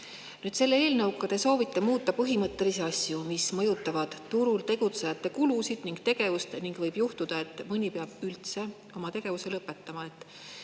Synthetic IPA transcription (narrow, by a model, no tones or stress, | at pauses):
nyːd̪̥se̞lːee̞ːlnɤwkːɑd̪e̞so̞ːvit̪ːˑemuːt̪ːˑɑpɤɦimɤt̪ːˑe̞liseɑsʲjumismɤjut̪ːˑɑvɑd̪̥t̪uɾult̪e̞ɡ̥ut̪se̞jɑt̪ːˑe̞kulusid̪̥niŋɡt̪e̞ɡ̥e̞vust̪niŋɡvɤjb̥juht̪ud̪̥ɑe̞t̪ːˑmɯnʲipeɑb̥ylt̪se̞ | o̞mɑt̪e̞ɡ̥e̞vuse̞lɤpːˑe̞t̪ːɑmɑe̞t̪ːˑ